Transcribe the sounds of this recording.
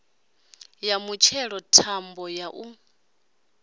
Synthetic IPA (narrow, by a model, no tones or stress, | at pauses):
jamut͡ʃʰɛɺɔtʰambɔjaʔu